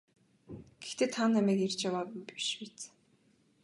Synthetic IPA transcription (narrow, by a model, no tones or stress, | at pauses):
ɡ̥ext̪ʰeːt̪ʰanːæmæːkert͡ɕawaːpmpi̥ʃpit͡s